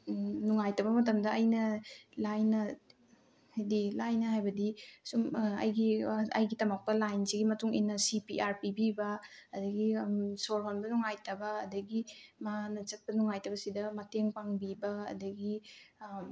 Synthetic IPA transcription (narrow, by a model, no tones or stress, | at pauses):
nuŋajtɐbɐmɐt̬ɐmdɐɐjnɐlajnɐ | hajdilajnɐɦajbɐdisumɐ̰jɡiɐ̰jɡitɐmak̚pɐlajnsiɡimɐtuŋḭnːɐsipiʔaɾpibibɐɐdɐɡisoɾɦonbɐnuŋajtɐbɐːdɐɡimaanɐt͡ʃɐt̚pɐnuŋajtɐbɐsidɐmɐteŋpaŋbibɐɐ̰dɐɡi